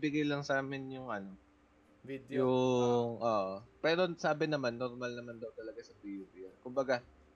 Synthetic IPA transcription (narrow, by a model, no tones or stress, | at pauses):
bɪɡajlɐŋsaːmɪnjʊŋʔɐno̞ | jʊŋʔoːʔopɛːɾo̞saːbɪnɐmanːoɾmalnɐmand̪ɐwt̪ɐlɐɡasɐbiːd̪ɪokʊmbɐɡa